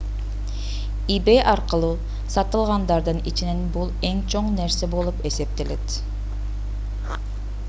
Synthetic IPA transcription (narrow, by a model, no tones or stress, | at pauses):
ibejʔɑɾqəlˠuː | sɑt̪ɯlˠʁɑnd̪ɑɾd̪ɯnit͡ʃine̞nbulˠe̞ŋt͡ʃʰo̞ɴne̞ɾse̞bo̞lˠupe̞se̞p̚t̪ele̞t̪